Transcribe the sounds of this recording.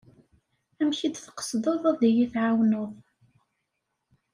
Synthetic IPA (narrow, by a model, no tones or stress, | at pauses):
æmçid̪θqə̥sˤd̪ˤoðˤæðijiθʕawnoðˤ